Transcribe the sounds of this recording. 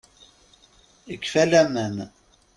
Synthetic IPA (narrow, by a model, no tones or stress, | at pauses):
əkːfælæmən